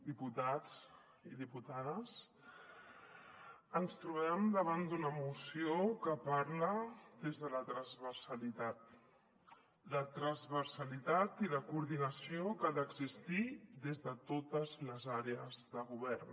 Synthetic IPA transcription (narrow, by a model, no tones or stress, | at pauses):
d̪iput̪ad͡z | iðiput̪aðəs | ənst̪ɾuβɛmd̪əβ̞and̪unəmusiokəpaɾləd̪ezðələt̪ɾənzβəɾsəlit̪at̪ | lət̪ɾəzβəɾsəlit̪at̪iləkuːɾðinəsiokaðəɡzist̪id̪ezðət̪ot̪əzləzaɾeəzðəɣuβɛrn